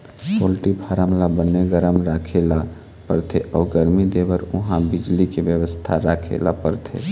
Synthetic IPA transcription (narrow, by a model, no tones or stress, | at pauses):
solʈipʰaɾamlabənːeɡəɾəmɾakʰela | pəɾt̪ʰeʔɔːɡəɾmid̪ebəɾʊɦãbid͡ʒlikebjəʋəst̪ʰaɾakʰḛla̰pəɾt̪ʰḛ